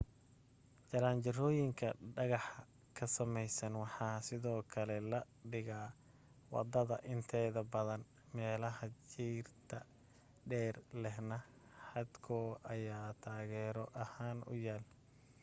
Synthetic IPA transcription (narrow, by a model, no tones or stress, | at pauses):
t͡ʃɐɾaːnt͡ʃɐrɔːjɪŋkʰɐɖɐɣɑħ | kʰɐsɐmɛjsɐnwɑħɑːsɪðɔːkʰɐlɛlɐ | ɖɪɣaː | wɑ̰d̪ɐðɐʔɪnt̪ʰɛːðɐbɐðɐn | mɛːlɐɦɐt͡ʃiːrt̪ʰɐ | ɖɛːrlɛɦnɐ | ħɑd̪kʰɔːʔɐjaːt̪ʰaːɣɛːɾɔʔɐhaːnʊ̰jaːl